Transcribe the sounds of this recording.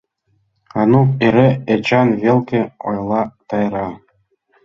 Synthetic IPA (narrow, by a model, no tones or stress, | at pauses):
ɑnukeɾʲeet͡ɕɑnvʲelʲˠkʲɘ̆o̰jlˠɑt̪ɑjrɑ